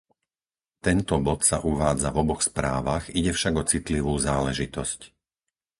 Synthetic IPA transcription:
t̪ɛnt̪ɔbɔt̪sa̰ʔuʋaːd͡zavɔbɔxspɾaːʋaɣiɟɛfʃaɡɔt͡sit̪liʋuːzaːlɛʒit̪ɔsc

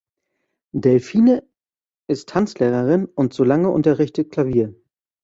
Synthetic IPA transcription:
dɛlfiːnə | ʔɪsttʰant͡sleːʁɐʁɪnʊntz̥oːlaŋəʔʊ̰ntɐʁɪçtət̚kʰl̥aviːɐ

